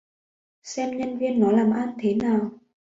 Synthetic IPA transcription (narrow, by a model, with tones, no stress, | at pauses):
sɛ˧mɲə˧nvi˧ənːɔ˨˦laː˨˩mʔaː˧nt̪ʰe˨˦naː˨˩w